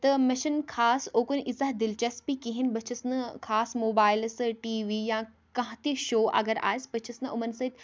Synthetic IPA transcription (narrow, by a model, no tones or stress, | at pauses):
t̪ɐmɐʃənkʰaːsoːkunʔɪzaɦd̪ɪlt͡ɕɐspikiɦɪnbɐt͡ʃʰɐsnɐkʰaːsmoːbaːɪlsʈiːʋiːjãː | kɐ̃ɦãt̪eʃoːʔɐ̰ɡəɾa̰ːɪsbɐt͡ʃʰɐsnɐʊmɐnsɐit̪